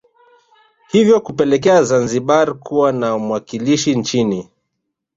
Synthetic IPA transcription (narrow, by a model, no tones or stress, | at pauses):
hivjɔkupɛlɛk̬ɛazanziɓaɾkuwanamuwakiliʃint͡ʃini